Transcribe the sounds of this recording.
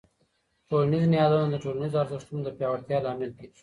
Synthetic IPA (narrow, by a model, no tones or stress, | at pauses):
ʈolanizniɦɑd̪ɑnod̪əʈolanizoɑɾzɪʂt̪umd̪əpjɑwaɾt̪jɑlɑmɪld̪i